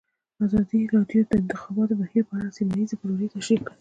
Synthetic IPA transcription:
azɑd̪iɾɑd̪jod̪əɪnt̪ɪxɑbɑt̪obahiɾpəaɽasimajizapəloɾet̪aʃikai

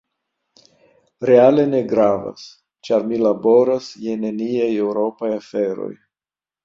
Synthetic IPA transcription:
ɾe̞ale̞ne̞ɡɾava̰s | t͡ʃaɾmilabo̞ɾasje̞ne̞niajewɾo̞pajafe̞ɾo̞̰j

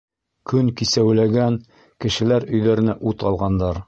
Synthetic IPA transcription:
kɵŋkisæwlæɡæn | kɘ̆ʃɘ̆læɾɵ̆jðæɾɘ̆næʔut̪ɑlˠʁɑnd̪ɑɾ

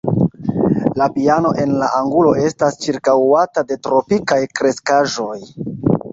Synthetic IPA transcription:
lapiano̞ʔe̞nlaʔaŋɡulo̞e̞stast͡ʃiɾkawatade̞tɾo̞pikajkɾe̞skaʒo̞j

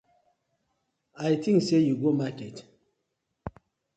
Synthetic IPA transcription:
ajt̪ʰĩŋksejuɡomakɛt

